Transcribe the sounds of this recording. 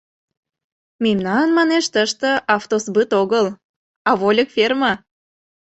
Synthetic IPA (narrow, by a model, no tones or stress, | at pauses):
memnɑnənmɑneʃt̪əʃt̪ə̆ʔɑft̪osbɨt̪oɣəl | ɑβolʲəkfermɑ